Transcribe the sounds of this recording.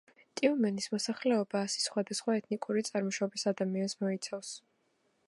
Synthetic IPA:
t̪ʼiumɛnismɔsaχlɛɔbaːsi̥sχwad̪asχwaɛt̪ʰnikʼuɾit̪sʼaɾmɔʃabisad̪amiansmɔit̪sʰafs

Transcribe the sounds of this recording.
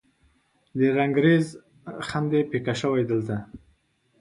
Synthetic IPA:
d̪əɾaŋɡɾez | xand̪epekaʃəwajd̪əlt̪a

